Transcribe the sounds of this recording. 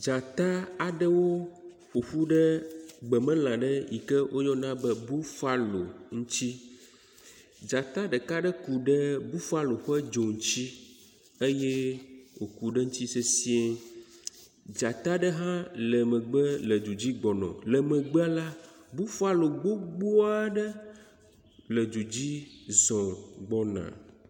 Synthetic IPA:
d͡ʒa˨t̪a˦a˨ɖə˦wo˦ | ɸo˨ɸu˦ɖə˦ɡ͡bɛ˨mɛ̃˦l̃ã˨ɖə˦jḭ˨kɛ˦wʔo˦jɔ˦nã˦bɛ˦bu˦fa˦lo˨ŋũ˦t͡ɕi˦ | d͡ʒa˨t̪a˦ɖə˨ka˦ɖə˦ku˨ɖɛ˦bu˦fa˦lo˨ɸɛ˦d͡ʒo˨ŋ̩˦t͡ɕi˦ | e˦jɛ˦wo˨ku˨ɖə˦ŋũ˦t͡ɕi˦se˦si˦e˦ | d͡ʒa˨t̪a˦ɖə˦ɦã˦lə˨mə̃˨ɡ͡bə˦lə˨d͡ʒu˨d͡ʑi˦ɡ͡bɔ˨nɔ̰̃˨lɛ˨mə̃˨ɡ͡bɛ˦a˦la˦bu˦fa˦lo˨ɡ͡bo˦ɡ͡bo˦a˦ɖə˦ | lə˨d͡ʒu˨d͡ʑi˦zɔ̃˨ɡ͡bɔ˦nã̰˨

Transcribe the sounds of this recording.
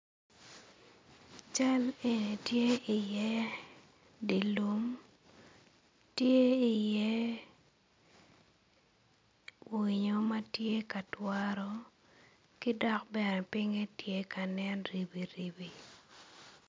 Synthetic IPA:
t͡ʃa˦le˨ne˨tje˦ɪ˨jɛ˦ | di˨lu˦m | tje˦i˨je˦ | wwi˨ɲo˦ma˦tje˦ka˨twa˦ɾɔ˨ | ki˦dɔ˦k̚bɛ˨nɛ˨pɪ˦ŋe˦tje˦ka˨nɛ˦nɾi˨bi˨ɾi˨bi˨

